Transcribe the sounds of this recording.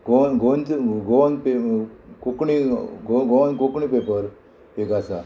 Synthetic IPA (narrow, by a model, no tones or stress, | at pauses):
ɡonɡʱont͡sɡonpekokɳiɡoɡonkokɳipepəɾ | ekasa̰